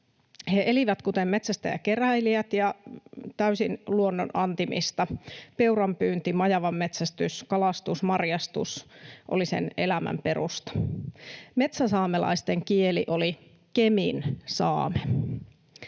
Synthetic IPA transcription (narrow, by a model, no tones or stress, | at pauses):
heʔeliʋæt̪kut̪emːet̪sæst̪æ̰jɑ̰ke̞ræiliæt̪jɑt̪æysinluonːo̰nʔɑnt̪imḭst̪ɑpe̞uɾɑmpyːnt̪imɑjɑʋɑmːet̪sæst̪yskɑlɑst̪usmɑrjɑst̪ṵsʔo̰lisḛnelæmæ̰mpe̞rust̪ɑ̥ | me̞t̪sæsɑːmelɑ̰ist̪eŋkieliʔo̞li | keminsɑ̰ːme